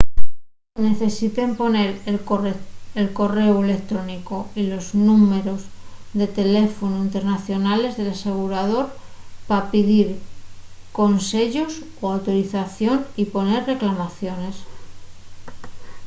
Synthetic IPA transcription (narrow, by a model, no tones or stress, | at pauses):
ne̞θe̞sit̪e̞mpo̞ne̞ɾe | elko̞re̞oe̞le̞kt̪ɾo̞niko̞ilo̞znume̞ɾo̞zðe̞t̪e̞le̞fo̞noint̪e̞ɾnaθjo̞nale̞zðe̞lase̞ɣ̞uɾaðo̞ɾpapiðiɾ | ko̞nse̞ʎos | oawt̪o̞ɾiθaθjo̞nipo̞ne̞rre̞klamaθjo̞ne̞s